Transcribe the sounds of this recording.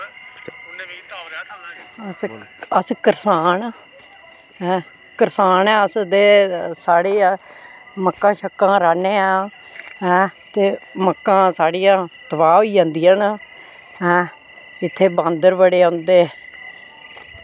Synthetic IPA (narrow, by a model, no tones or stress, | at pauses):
səskəɾsaːn | ɦɛ̃ː | kəɾsaːnɛ̃ːəsd̪eːsaːɽeː | məkːãːʃəkːãːɾaːneːãː | ɦɛ̃ːt̪eːməkːãːsaːɽiːjãːt̪əbaːʋiːãːnd̪iːən | ɦɛ̃ː | ɪt̪ʰːeːbãːnd̪əɾbəɽeːʊ̃nd̪eː